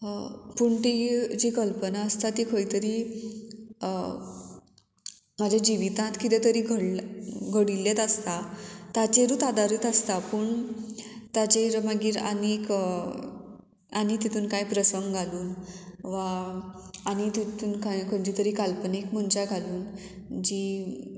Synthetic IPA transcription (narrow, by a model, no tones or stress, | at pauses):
puɳʈ̪id͡ʑiːkəlpənaəst̪at̪ikʰəɭit̪əɾiː | mad͡ʑʱjad͡ʑiʋit̪ãt̪kit̪et̪əɾiːɡʱəɽlɡʱəɽilːet̪əst̪at̪at͡ɕeɾuːt̪ad̪aɾiːt̪əst̪apəɳ | t̪at͡ɕeɾmaɡiːɾa̰nik | anit̪it̪uːnkajpɾəsəŋɡɡʱaluːnʋa | añit̪it̪uːnkajkʰəd͡ʑit̪əɾiːkalpənikm̤əɳt͡ɕaɡʱaluːn | d͡ʑi